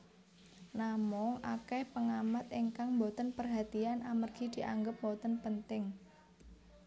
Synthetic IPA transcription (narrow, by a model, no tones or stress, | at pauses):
namɔŋʔa̰kɛhpəŋamat̪iŋkaŋmbɔt̪ənpərɦat̪ianʔamərɡ̥id̪̥i̤ʔaŋɡəp̚mɔt̪ənpənt̪ɪŋ